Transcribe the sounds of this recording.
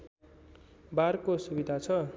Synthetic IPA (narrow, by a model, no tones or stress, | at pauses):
barkosubid̪ʱat͡sʰʌ